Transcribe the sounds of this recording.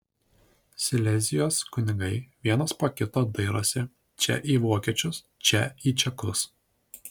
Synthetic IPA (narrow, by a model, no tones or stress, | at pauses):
sʲɪlʲɛzʲɪjoːskʊnʲɪɡɐɪʋʲiɛnɐspoːkʲɪt̪oːd̪ɐɪɾo̰ːsʲɪ | t͡ʃʲɛ̰ʔiːʋoːkʲiɛt͡ʃʲʊs | t͡ʃʲɛiːt͡ʃʲɛkʊs